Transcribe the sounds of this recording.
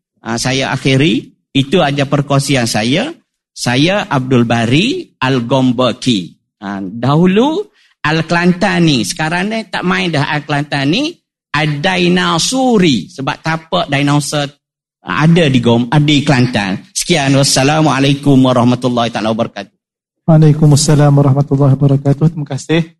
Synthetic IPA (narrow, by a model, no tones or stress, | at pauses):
asajaʔa̰xiɾi | it̪uad͡ʒapərkuasiansaja | sajaʔab̚dʊlbaɾialɡɔmbəki | adaɦulu | alkəlant̪anisə̥kaɾaŋnit̪aʔmãɪndəɦʔalklant̪ani | ʔadajnasuɾisəbap̚t̪apəʔdajnausə̰ | a̰dadiɡɔmadəklant̪a̰nsə̥kianwasːalamwaalajkʊmwaɾɑhmat̪ulːɑhit̪a̰lawabəɾakat̪̚u̥ | walakʊmasːalamwaɾɑhmat̪ulːaɦibəɾakat̪uht̪imakasɪh